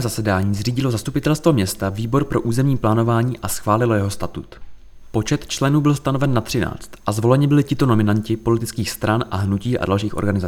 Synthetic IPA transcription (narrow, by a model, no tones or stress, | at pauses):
mzasɛdaːɲiːzriːɟɪlozast̪upɪt̪ɛlst̪vomɲɛst̪aviːbo̞ɾpɾo̞ʔuːzɛmɲiːplaːno̞vaːɲiːʔasxvaːlɪlo̞jɛɦo̞st̪at̪ut̪ | po̞t͡ʃɛt̪t͡ʃlɛnuːbɪlst̪ano̞vɛnːat̪r̥ɪna̰ːt͡st̪ʔazvo̞lɛɲɪbɪlɪcɪt̪o̞no̞mɪnancɪpo̞lɪt̪ɪt͡skiːxst̪ɾanʔa̰ɦnuciːʔa̰dalʃiːxʔo̞̰ɾɡanɪza